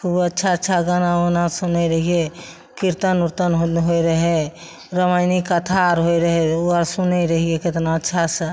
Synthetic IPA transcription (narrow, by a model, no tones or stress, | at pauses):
kʰubətːʃʰaətːʃʰaɡənaunasunɛɾəɦie | kiɾt̪ənuɾt̪ənɦɦojɾəɦe | ɾəmaɪnikːət̪ʰaɾɦojɾəɦeuəɾsunɛɾəɦieket̪naətːʃʰasə